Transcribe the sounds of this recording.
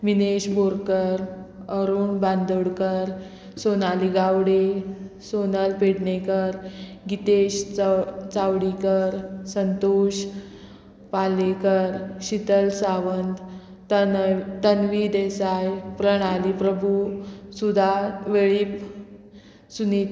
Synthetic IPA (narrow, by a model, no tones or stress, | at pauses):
mineɕboɾkəɾəɾuːɳband̪uɽkəɾ | sonaliɡawɽesonəlpeɽɳekəɾɡit̪eɕ | t͡sawɽikəɾsənt̪oɕ | palekəɾɕit̪əlsaʋənd̪ | t̪ənʋid̪esajpɾəɽ̃alipɾəbʱusud̪ʱaʋeɭiːp | suni